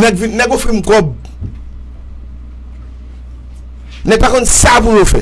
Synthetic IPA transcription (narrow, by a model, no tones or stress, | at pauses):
nɛɡvinɛɡofĩm̩kɔb | nɛpakɔ̃nsapulofɛ